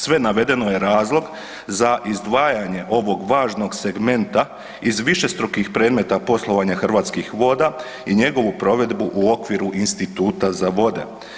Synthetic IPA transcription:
sʋe̞naʋe̞d̪e̞noje̞ɾaːzlˠo̞ɡ | zaʔizd̪ʋaːjaɲe̞ʔo̞ʋo̞ɡʋaːʒnoɡse̞ɡme̞nt̪a | izʋiʃe̞st̪ɾokixpɾe̞ːd̪me̞t̪apo̞slˠo̞ʋaɲaxr̩ʋaːt̪skixʋo̞ːd̪a | iɲe̞ɡo̞ʋupɾo̞ʋe̞d̪buʔuo̞kʋiɾuʔinst̪it̪uːt̪azaʋo̞d̪e̞̰

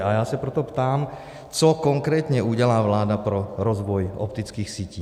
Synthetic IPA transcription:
ajaːsapɾɛt̪ɔpt̪aːm | t͡sɔkɔŋkɾɛːt̪ɲɛuɟɛlaːʋlaːd̪apɾɔɾɔzʋɔjɔ̰pt̪it͡skiːxsiːciː

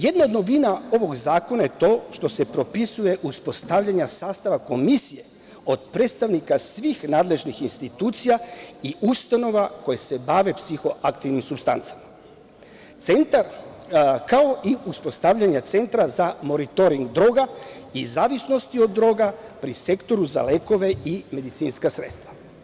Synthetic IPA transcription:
je̞d̪nao̞d̪no̞ʋinao̞ʋo̞ɡzaːko̞naje̞t̪o̞ːʃt̪o̞se̞pɾo̞pisuje̞ʔuspo̞st̪aʋʎaɲasaːst̪aʋako̞misije̞ | o̞d̪̥pɾet̪st̪aʋnikasʋixnaːd̪le̞ʒnixinst̪it̪uːt̪sijaiʔust̪ano̞ʋako̞jese̞baːʋe̞psixo̞ʔakt̪iʋnimsubst̪a̰nt̪sḁma | t̪sent̪aɾ | kao̞ʔiuspo̞st̪aʋʎaɲat̪se̞nt̪ɾazamo̞ɾit̪o̞ɾiŋɡd̪ɾo̞ɡaizaːʋisno̞st̪io̞d̪ːɾo̞ːɡapɾise̞kt̪o̞ɾuza̰le̞ko̞ʋe̞ime̞d̪it̪siːnskasɾeːt̪st̪ʋḁ

